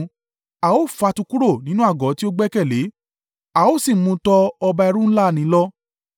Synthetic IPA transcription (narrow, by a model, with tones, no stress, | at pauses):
a˨o˦˨fa˧tu˧ku˦ɾo˦˨nĩ˨˦nũ˦a˦˨ɡɔ˨˦ti˦o˦ɡ͡bɛ˦kɛ˦˨le˨˦ | a˨o˦˨si˦˨mũ˧˦tɔ˧ɔ˧ba˧ɛ˧ɾ̃ũ˦la˦˨nĩ˨˦lɔ˦